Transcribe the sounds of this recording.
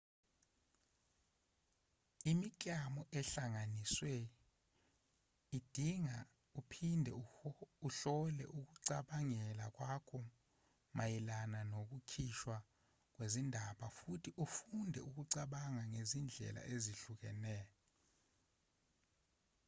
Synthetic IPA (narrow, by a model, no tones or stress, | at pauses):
imik̬ʼjamɔʔɛɬaŋaniswe | id̥ʱiŋa | upʰindʱɛ̰uɬɔlɛ̰ʔuk̬uǀaɓaŋɛlak̬ʼwakʰɔ | majilananok̬ukʰiʃwa | k̬wezindʱaɓafutʰiʔufundʱɛ̰ʔuk̬uǀaɓaŋaŋezind͡ɮʱɛ̰lʔa̰ʔeziɬuk̬ɛ̰nɛːjɔ